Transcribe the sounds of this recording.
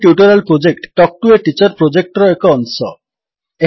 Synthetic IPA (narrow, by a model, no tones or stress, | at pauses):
ʈjuʈɔɾalpɾod͡ʑek̚ʈʈːɔk̚ʈueʈit͡ɕɔɾpɾod͡ʒek̚ʈɾɔekɔɔnsɔ | e